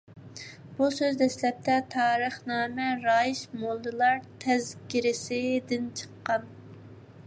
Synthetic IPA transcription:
b̥usøzd̪ɛslɛp̚t̪ʰɛt̪ʰɑːɾəχnɑːmɛɾɑːjiʃmolˠdɨlˠɑɾt̪ʰɛzkʲiɾɪsɪd̪ɪnt͡ʃʰə̥qːɑn

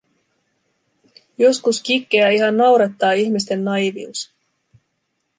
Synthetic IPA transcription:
jo̞skuskikːeæiɦɑnːɑwɾɑt̪ːɑːiçmist̪e̞nːɑjʋius

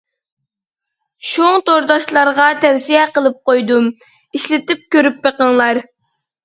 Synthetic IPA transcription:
ʃoŋt̪oɾd̪ɑʃlˠɑɾʁɑt̪ʰɛwsijɛqəlˠɨp̚qojd̪um | iʃlɪt̪ɪp̚kʲøɾypbeqəŋlˠɑɾ

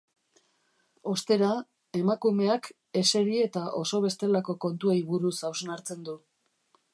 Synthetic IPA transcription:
o̞st̪e̞ɾa | e̞makume̞ak | e̞se̞ɾie̞t̪aʔo̞so̞β̞e̞st̪e̞lako̞ko̞nt̪uejβuɾusawznaɾt͡se̞nd̪u

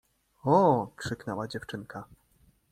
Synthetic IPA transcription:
ɔkʂɘknɛwad͡ʑɛft͡ʂɘŋka

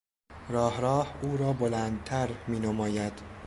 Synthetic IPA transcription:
ɾɒːhɾɒːhuːɾɒːbolænd̪̚t̪ʰæɾmiːnomɒːjæd̪̥

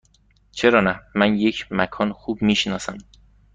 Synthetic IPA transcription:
t͡ʃʰeɾɒːnæmænje̞cʰmækʰɒːnxuːbmiːʃnɒːsæm

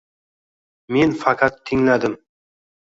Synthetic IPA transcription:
menfɑqʰɑt̪ʰːɪŋlad̪ɪm

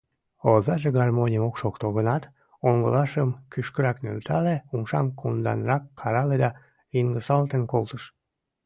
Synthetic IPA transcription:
ozɑʒeɣɑrmonʲijəmokʃokt̪oɣənɑt̪ | oŋɡəlɑʃəmkyʃkəɾɑknø̰lt̪ʰɑleumʃɑmkʰund̪ɑ̰nrɑkːʰɑɾɑled̪ɑ | inɡəsɑlt̪enkolt̪əʃ

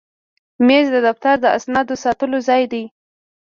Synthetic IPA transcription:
mezd̪əd̪aft̪aɾd̪əa̰snɑd̪osɑt̪əlozɑjd̪aj

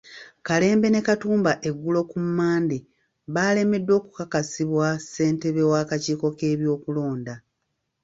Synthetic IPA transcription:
kale̞ːmbe̞ne̞katuːmbaʔe̞ɡːulo̞kumːaːnde | βaːle̞me̞dːo̞ːkukakasiβwase̞ːnte̞βe̞waːkaciːko̞ke̞ːβjo̞ːkulo̞ːnda

